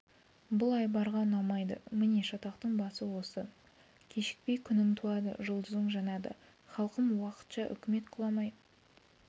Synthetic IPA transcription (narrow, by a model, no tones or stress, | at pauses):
bʊlˠɑjbɑɾʁɑnɑmɑjd̪əmɪne̞ʃɑt̪ɑqt̪əɴbɑsəwo̞sə | kʲʰe̞ʃɪ̥k̚pe̞jkʲʰʏnɪmt̪ʰuɑd̪ə̰ʒʊlˠd̪əzəɴʒɑnɑd̪ə̰ | χɑlˠqəmwɑqə̥t̪ʃɑʔʏ̰kʲɪme̞t̪qʰʊlˠɑmɑj̪ə